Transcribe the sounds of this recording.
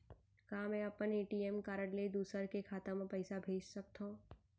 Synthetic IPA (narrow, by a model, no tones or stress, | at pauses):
kaːmẽɐpəneːʈiːeːmkaːɾəɽled̪uːsəɾkekʰaːt̪amẽpɛɪsabʱeːd͡ʒsɐk̚t̪oː